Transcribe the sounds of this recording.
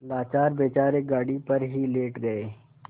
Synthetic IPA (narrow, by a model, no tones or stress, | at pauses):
laːt͡ʃaːɾbeːt͡ʃaːɾeɡaːɽipɐɾɦileːʈɡɐeː